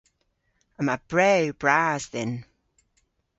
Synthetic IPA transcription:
əməb̥ɹɛwbɹaːzðɪn

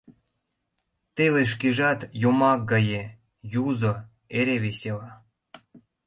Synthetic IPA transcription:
t̪eleʃ̬keʒɑt̪jomɑkɡɑje | juzo | eɾeβesʲelɑ

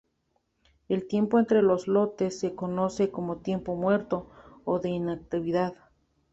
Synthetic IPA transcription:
e̞lt̪je̞mpoent̪ɾe̞lo̞zlo̞t̪esːe̞kono̞se̞ko̞mot̪je̞mpo̞mwe̞ɾt̪oːðe̞inak̚t̪iβiðað

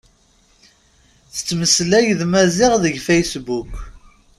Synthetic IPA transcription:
θə̥t͡sːməslæjðmæzɪʁðəʝfejsbuk

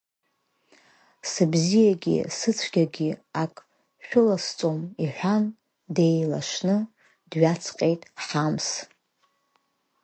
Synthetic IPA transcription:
sɨbzijaɡʲḭsɨt͡sʷʰɡʲaɡʲiakʼ | ʃᶣʊlast͡sʼo̞miħᶣʷan | de̞jla̰ʂnɨ | dɥat͡sʰqʼe̞jtʼħams

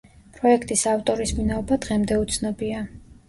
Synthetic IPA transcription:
pʼɾɔɛkʰt̪ʼisaft̪ʼɔɾisminaɔbad̪ʁɛmd̪ɛut̪sʰnɔbia

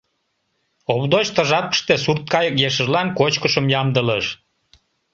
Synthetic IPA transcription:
oβd̪ot͡ɕt̪əʒɑt̪̚ə̥ʃt̪esurt̪̚kɑjəkjeʃ̬əʒlɑnkot͡ɕkəʃəmjɑmd̪ələʃ

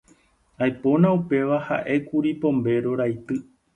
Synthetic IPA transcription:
ajpo̞nãupe̞ʋaha̰ʔe̞kuɾipõ̞mbe̞ɾo̞ɾajt̪ɨ

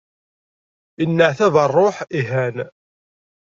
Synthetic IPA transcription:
ənːəʕθæðərˤːoħiɦæn

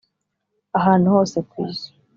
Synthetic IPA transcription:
aɦaːn̤uho̞ːsekwḭːzi̥

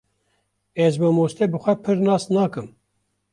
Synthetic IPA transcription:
ɛzbɨmoːst̪ebɨxʷɛpʰɨɾnɑːsnɑːkɨm

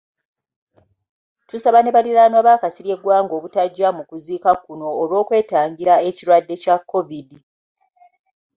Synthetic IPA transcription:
tusaβane̞βaliɾanoaβaːkasiɾje̞ɡwaːŋɡo̞ːβutaɟːamukuziːkakuno̞ːɾwo̞ːkwe̞ːtaːŋɡiɾae̞ciɾwadːe̞cakʰːo̞vidi

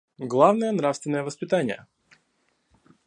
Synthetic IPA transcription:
ɡlˠavnəjənɾafst̪vʲɪnːəjəvəspʲɪt̪anʲɪjə̰

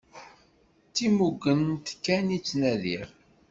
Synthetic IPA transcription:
t͡sːimuɡːənt̪kːænit͡sːnæðiɾ

